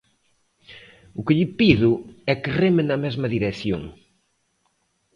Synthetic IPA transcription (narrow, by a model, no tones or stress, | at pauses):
ʊkɪʎɪpiðʊɛkɪremɪnɐmɛzmɐðiɾeθjo̰ŋ